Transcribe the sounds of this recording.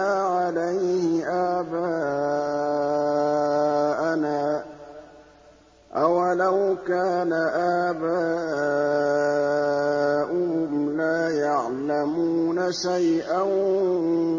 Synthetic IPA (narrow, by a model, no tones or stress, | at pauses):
aːʕalajhɪʔaːbaː | ʔanaː | ʔawalawkaːnaʔaːbaː | ʔʊhʊmlaːjaʕlamuːnaʃajʔan